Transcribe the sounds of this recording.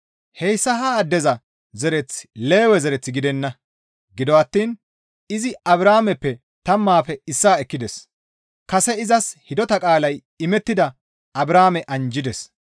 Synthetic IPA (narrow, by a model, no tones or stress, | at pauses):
hɛjsːɐɦad̪ɛzɐ | zɛɾɛt͡sːle̞ːwɛzɛɾɛt͡sːɪɡɪd̪ɛnːɐ | ɡɪd̪ɔwɐt̪ːiːn | ɪzɪɐβɾaːmɛpːɛ | t̪ɐmːaːfɛɪsːaːɛkːɪd̪ɛs | kɐsɛɪzɐshɪd̪ɔt̪ɐkʼaːlɐj | ɪmɛt̪ːɪd̪ɐ | ɐbɾaːmɛʔɐnd͡ʒɪd̪ɛs